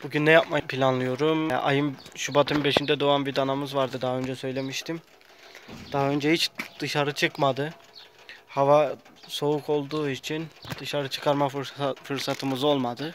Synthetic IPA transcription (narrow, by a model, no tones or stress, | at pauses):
b̥uɟynːɛjap̚mapʰilʲanlˠɯjo̞ɾuma̰jɯmʃubat̪ʰɯmbe̞ʃind̪ɛd̪oanbid̪anamɯzvaɾd̪ɯd̪aɦaønd͡ʒɛsø̞jlʲe̞miʃt̪ʰim | d̪̥aɦaø̞nd͡ʒɛhit͡ʃd̪̥ɯʃaɾɯt͡ʃʰɯkmad̪ɯ | havaso̞ukʰo̞lˠd̪uːit͡ʃʰind̪̥ɯʃaɾɯt͡ʃʰɯ̥kʰaɾmafɯɾsat̪ʰɯmɯzo̞lˠmad̪ɯ